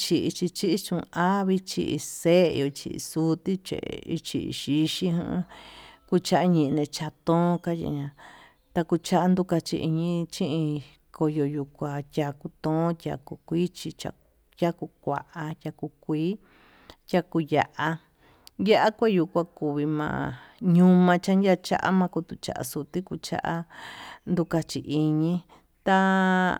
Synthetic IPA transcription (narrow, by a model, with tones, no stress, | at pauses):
t͡ʃi˧ʔi˧t͡ʃi˧t͡ʃi˦ʔi˦t͡ʃũ˧a˦βi˧t͡ʃḭ˧ʔḭ˧sḛ˦˧jo˧t͡ʃḭ˧ʔḭ˧su˦t̪i˦t͡ʃḛ˨ʔḭ˧t͡ʃi˧ʔḭ˧ʃi˧ʃĩ˦ɦṵ̃˧˦ku˧t͡ʃa˦ʔa˧ɲĩ˧ʔnẽ˧t͡ʃa˧t̪õ˦ka˦jḭ˧ɲã˧ | t̪a˧ku˧t͡ʃa˦ʔa˦nd̪u˧ka˧t͡ʃḭ˧ʔi˧ɲĩ˧t͡ʃĩ˦ʔĩ˧ | kʰo˧jo˧ju˧kʷa˧t̪ʲa˧ku˧t̪õ˦t̪ʲa̰˧ku˧kʷi˦t͡ʃi˧t͡ʃa̰˧ | jʲa˦ku˧kʷa̰˨ʔa˧jʲa˧ku˧kʷiː˦ | tʲa˧ku˧ja˧ʔa˧ | ja˦ʔa˦kʷe˦ju˧kʷa˧ku˨βi˧mã̰˧˨ɲũ˧mã˧t͡ʃa˦ndʲa˦˧t͡ʃa̰˦ʔa̰˦mã˧ku˧t̪u˧t͡ʃa̰˧ʔa̰˧su˧t̪i˦ku˧t͡ʃa̰˦ʔa˦nd̪u˧ka˧t͡ʃi˨ʔi˧ɲĩ˧ | t̪a˧